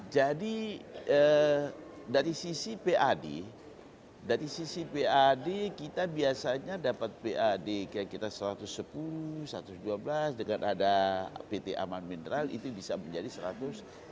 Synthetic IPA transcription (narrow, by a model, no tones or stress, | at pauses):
d͡ʒadiə | daɾisisipeʔadḛ | daɾisisipeadekit̪abiasaɲadapat̪̚peʔadekakit̪asəɾat̪ʊsːəpulusəɾa̰t̪ʊsduablasdəŋanʔadapet̪eʔa̰manmind̪ɾalḭt̪ubisaməɲd͡ʒadisəɾat̪ʊs